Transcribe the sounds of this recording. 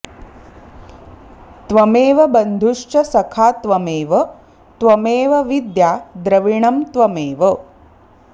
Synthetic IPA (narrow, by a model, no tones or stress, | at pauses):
t̪ʋɐmeːʋɐbɐnd̪ʱuʂt͡ʃɐsɐkʰaːt̪ʋɐmeːʋɐ | t̪ʋɐmeːʋɐʋid̪jaːd̪ɾɐʋiɳɐmt̪ʋɐmeːʋɐ